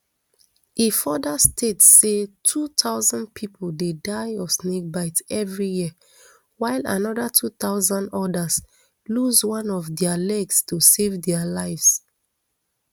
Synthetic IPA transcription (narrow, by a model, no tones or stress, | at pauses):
ifɔdastʰetsetʰut̪ʰaʊzãnd̚pʰipʰoldedaɪɔsnek̚baɪtɛvɹijiə | waɪla̰nɔdatʰut̪aʊzãndɔdas | luzwãnɔvdɛalɛɡstusevdɛalaɪvs